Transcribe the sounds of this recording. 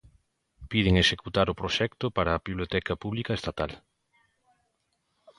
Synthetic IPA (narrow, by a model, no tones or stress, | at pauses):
pið̞ɪŋeʃekut̪aɾʊpɾoʃɛkt̪ʊpaɾɐːβiβljot̪ɛkɐpuβlikɐest̪at̪al